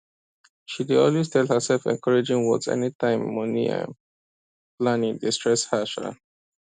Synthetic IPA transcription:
ʃideɔlwestʰɛlhəsɛlfɛ̰̃nkʰɔɹed͡ʒĩŋwɔdzɛ̰nitãɪ̃mːɔnḭã̰ | plãnĩŋdistɹɛshaʃa̰

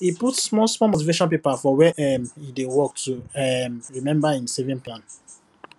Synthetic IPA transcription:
iputsmɔsmɔmotiveʃɔ̃np̬epafɔwɛʔɛmidewɔk̚tuɛmɹimɛ̃mbaĩnsevĩŋplãn

